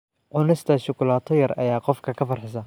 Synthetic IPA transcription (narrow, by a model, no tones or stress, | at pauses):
ʕʊnɪst̪ʰɐʃʊkʊlaːt̪ʰɔjɐrɐ̰jaːqɔfkʰɐkʰɐfɐrħɪs̬ɐ